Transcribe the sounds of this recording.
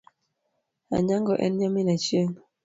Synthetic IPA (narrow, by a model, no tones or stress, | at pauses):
a̰ɲaŋɡɔʔɛ̰nɲaminat͡ʃiəŋ